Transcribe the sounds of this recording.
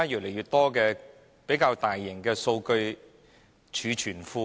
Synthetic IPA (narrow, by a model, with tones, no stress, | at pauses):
a˥jyː˨t̚le˨˩jɥyː˨˩t̚t̪ɔː˥kɛː˧ | pe˨˥jkaː˧wt̪aː˨jːɪ˨˩ŋkɛː˧so˧wkɵ˧ɥ | t͡ʃʰyː˨˧t͡ʃʰyː˨˩nfuː˧